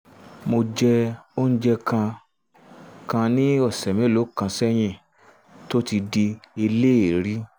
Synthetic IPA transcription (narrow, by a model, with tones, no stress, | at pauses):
mo˧d͡ʒɛ˧o˦n̩˦d͡ʒɛ˦kã˧ | kã˧nĩ˦ɔ˦˨sɛ˨mĩ˨˦˨lo˨˦kã˧sɛ˦j̃ĩ˧˨ | to˦ti˧di˧i˧le˦e˨ɾi˦